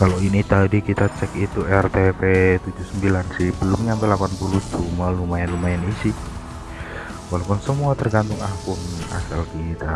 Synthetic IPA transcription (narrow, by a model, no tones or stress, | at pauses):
kaloinit̪adikit̪at͡ʃɛkit̪uɛrt̪epet̪ud͡ʒusəmbilansibəlʊmɲaampɛlapanpuluhd͡ʒumalumaɛnlumaɛnisi | walapʊnsəmuat̪ərɡant̪ʊŋahpʊna̰salkit̪a